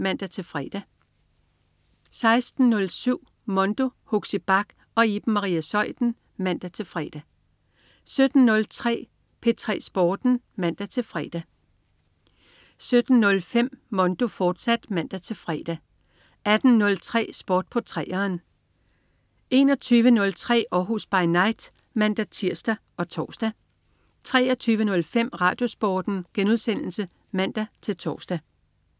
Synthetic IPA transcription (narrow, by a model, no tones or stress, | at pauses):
mæn̰d̥æt͡sʰe̝lfʁɛ̰ːd̥æ | sɑ̈ɪsd̥n̩ːɔ̽lsyʊ̰ | mɔ̽nd̥o̝hoɡ̥sib̥ɑ̈ɡ̥ | ɒ̽ib̥̩mɑ̈ʁḭːæsɒ̽ɪ̰d̥n̩ | mæn̰d̥æt͡sʰe̝lfʁɛ̰ːd̥æ | sød̥n̩ːɔ̽lt͡sʰʁɛ̰ː | pʰe̝t͡sʰʁɛ̰ːsb̥ɒːd̥n̩ | mæn̰d̥æt͡sʰe̝lfʁɛːd̥æ | sød̥n̩nɔ̽lfem̰ːɒ̽nd̥o̝fɒːd̥sæd̥mæn̰d̥æt͡sʰe̝fʁɛ̰ːd̥æ | æd̥n̩ːɔ̽lt͡sʰʁɛ̰ːsb̥ɒːd̥̚pʰɒ̽t͡sʰʁɛ̰ːɐːn | e̝ːnɒ̽t͡sʰyːʋənɔ̽lt͡sʰʁɛ̰ːɒːɦusb̥ɑ̈ɪnɑ̈ɪd̥ | mæn̰d̥æt͡sʰiɐ̰sd̥æ | ʔɒ̽t͡sʰɒ̰ːsd̥æ | t͡sʰʁɛːɐt͡sʰyːʋənɔ̽lfem̰ʁɑ̈ːd̥jo̝sb̥ɒːd̥n̩ɡ̥enuð̞ˠsen̰l̩sə | mæn̰d̥æt͡sʰe̝lt͡sʰɒ̰ːsd̥æ